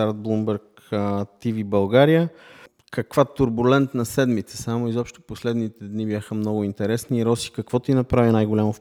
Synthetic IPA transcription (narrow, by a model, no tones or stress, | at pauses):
aɾd̪̚blˠumbɛɾk | t̪ivibɐlˠɡaɾijə | kɐkvat̪uɾbulɛnt̪nɐsɛd̪mit̪sə̥samoizɔpʃt̪o̥poslɛd̪nit̪ɛd̪nibʲjaxəmnɔɡʊint̪ɛɾɛsniːɾɔsi̥kɐkvɔt̪inɐpɾavinajɡolʲamof